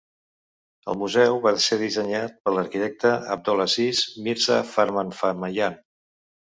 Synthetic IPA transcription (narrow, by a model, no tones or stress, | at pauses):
ə̰lˠmuzɛwβaseðizəɲat̪̚pələɾkit̪ɛk̚t̪əə̰b̚d̪ɔlasizmiɾza̰fəɾmanfaməjan